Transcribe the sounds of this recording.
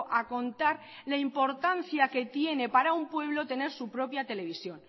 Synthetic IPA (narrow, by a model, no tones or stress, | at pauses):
ʔako̞nt̪aɾ | laimpo̞ɾt̪anθjake̞t̪je̞ne̞paɾaumpwe̞β̞lo̞t̪e̞ne̞ɾsupɾo̞pjat̪e̞le̞β̞isjo̞n